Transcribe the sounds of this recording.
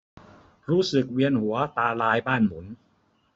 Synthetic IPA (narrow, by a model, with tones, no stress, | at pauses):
ɾuː˦˥sɯ˨˩k̚wi˧ənhu˩˦ɐt̪aː˧laː˧˥jbaː˥˩nmu˩˦n